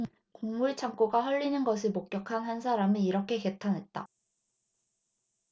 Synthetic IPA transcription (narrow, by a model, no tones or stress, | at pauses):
koŋmuɭt͡ɕʰaŋk͈oɡaɦʌʎːinɯnɡʌsʰɯɭmok͈̚jʌkʰanɦansʰaɾamiiɾʌkʰe̞ke̞tʰanɦe̞t̚t͈a̰